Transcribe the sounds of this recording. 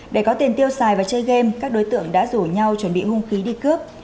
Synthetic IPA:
ɗe˧˩kɔ˨˦t̪i˨˩ənt̪i˧əwsaː˨˩jvaː˨˩t͡ɕə˧jɣe˧mkaː˦˥k̚ɗo˨˦jt̪ɨ̰˧˨əŋɗa̰ː˧˥zu˧˩ɲa˧wt͡ɕwə˧˩nɓḭ˧˨hʊ˧ŋ͡mxi˨˦ɗi˧kɨ˦˥p̚

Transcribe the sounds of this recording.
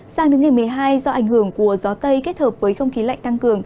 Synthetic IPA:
z̥aː˨˩ŋnɨ˨˦ŋna˨˩jmɨ˨˩əjɦaː˧jzɔ˧ʔa˧˩jŋ̟hɨ˧˩əŋku˧˩əzɔ˨˦t̪ə˧jke˦˥t̚həː˨˩p̚vəː˨˦jxə˧wŋ͡mxi˨˦la̰˧˨ŋ̟t̪a˧ŋkɨ˨˩əŋ

